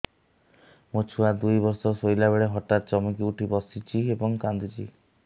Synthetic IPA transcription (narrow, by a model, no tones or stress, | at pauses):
mot͡ʃʰuad̪ujbɔɾsɔsojlabeɭeɦɔʈat̪̚t͡ʃɔmɔkiuʈʰibɔsit͡ʃʰiebɔŋkand̪it͡ʃi